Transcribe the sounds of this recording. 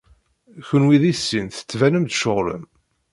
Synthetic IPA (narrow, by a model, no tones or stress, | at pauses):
çənwiðisːinθə̥t͡sːvænəmd̪ʃoʁɾə̰m